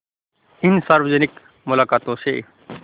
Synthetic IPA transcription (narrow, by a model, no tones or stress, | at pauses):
ɪnsaːɾʋəd͡ʒənɪk | mʊlaːkaːt̪õsḛː